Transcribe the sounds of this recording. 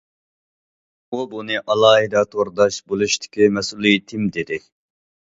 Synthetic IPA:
ubunɨʔɑlˠɑːɦid̪ɑt̪ʰoɾd̪ɑʃbolˠuʃt̪ʰɪ̥kʲimɛsulˠijt̪ʰɪmd̪ed̪ɪ

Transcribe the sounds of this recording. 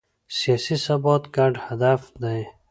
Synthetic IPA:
sijaːsisɐbot̪kaːɖhɐd̪afd̪aj

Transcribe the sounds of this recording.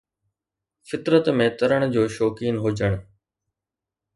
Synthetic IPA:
fɪt̪ɾət̪mẽt̪ɐɾəɽ̃d͡ʑoːʃoːkiːnɦʊd͡ʑəɽ̃

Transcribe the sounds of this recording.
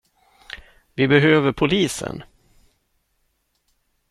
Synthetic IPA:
vɪbɛɦøːvəɾpʰʊliːsə̰n

